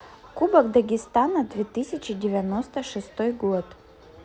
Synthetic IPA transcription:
kubɐkd̪ɐɡʲɪst̪anɐd̪vʲet̪ɨsʲɪt͡ɕɪdʲɪvʲɪɐnost̪əʂɨst̪ojɡot̪

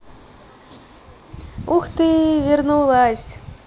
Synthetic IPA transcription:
uxt̪ɨvʲirnuwlˠasʲ

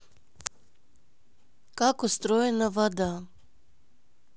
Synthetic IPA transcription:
kakɔst̪ɾɔjɛnavad̪a

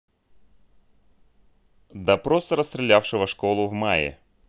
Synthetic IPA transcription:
d̪ɐpɾost̪əɾəst̪ɾʲɪlʲafʂɨvəʂko̞lˠʊvmajɪ̰

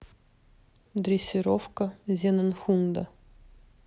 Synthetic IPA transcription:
d̪ɾʲɪsʲɪɾofkəzʲenənxund̪ə

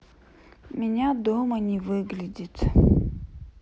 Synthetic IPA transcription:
mʲɪnʲad̪omənʲɪvɨɡlʲɪdʲɪt̪

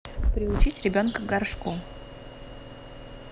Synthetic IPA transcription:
pɾʲɪʊt͡ɕitʲɾʲɪbʲonkəɡɐrʂku

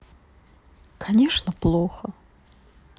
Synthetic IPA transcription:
kʰɐnʲeʂnəplˠoxə

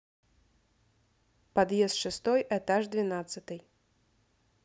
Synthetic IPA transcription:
pɐd̪jɛst̪ʂɨst̪ɔjʔɛt̪aʐd̪vʲɪnat̪sɨt̪ɨj

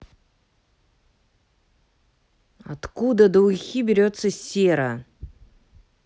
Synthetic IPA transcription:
ɐ̰t̪kud̪əd̪əʊxʲibʲɪɾʲo̞t̪səsʲeɾə

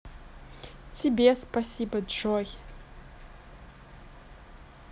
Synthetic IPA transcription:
tʰibespɐsibɐdʒoj

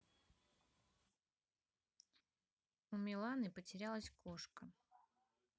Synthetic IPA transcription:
umʲɪlˠanɨpətʲɪɾʲalˠəsʲkoʂkə

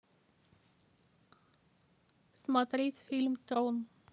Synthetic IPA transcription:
smɑt̪ɾisfɪlmt̪ɾoːn

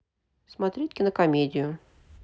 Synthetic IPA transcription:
smɐt̪ɾʲitʲkʲɪnəkɐmʲedʲɪjʊ

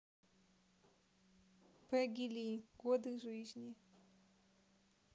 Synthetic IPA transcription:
pɛɡʲilʲiɡwɔd̪ɨʐɨʑʲnʲi

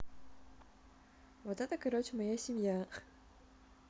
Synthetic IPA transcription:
vot̪ɛt̪əkɐɾot͡ɕɪmɐjasʲɪmʲja

